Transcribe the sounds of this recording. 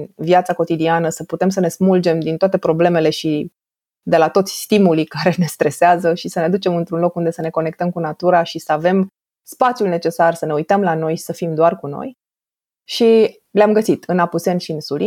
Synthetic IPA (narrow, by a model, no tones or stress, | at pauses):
vijat̪sako̞t̪id̪ianəsəput̪e̞msəne̞smuld͡ʒe̞md̪int̪oat̪e̞pɾo̞ble̞me̞le̞ʃi | d̪e̞lat̪o̞t̪sʲst̪imulikaɾe̞ne̞st̪ɾe̞seazəʃisəned̪ut͡ʃe̞mɨnt̪ɾunlo̞kund̪e̞səne̞ko̞nek̚t̪əmkunat̪uɾaʃisəave̞m | spat̪sjulne̞t͡ʃe̞sarsəne̞ujt̪əmlano̞jsəfimd̪oarkuno̞̰j | ʃi | leamɡəsit̪ɨnapuse̞nʃiɨnsuli